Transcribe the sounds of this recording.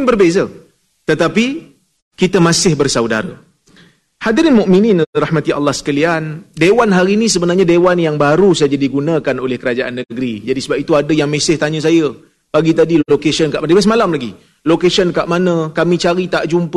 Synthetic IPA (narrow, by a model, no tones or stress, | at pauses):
nbərbezə | t̪ət̪api | kit̪əmãsɪhbərsawda̰ɾa̰ | hadiɾinmuʔmininrahmat̪ia̰lːɑhsə̥kaliandewanɦaɾiinĩsəbənarɲadewanjaŋbaɾusad͡ʒadiɡunãkanolɛhkəɾad͡ʒaʔanːəɡɾid͡ʒadisəbapit̪uadəjaŋmẽsɪht̪aɲũs̬ajə | b̥aɡit̪adilokesənkaʔmanmasmalamlaɡi | lokesənkaʔmanə̃kamĩt͡ʃaɾit̪aʔd͡ʒump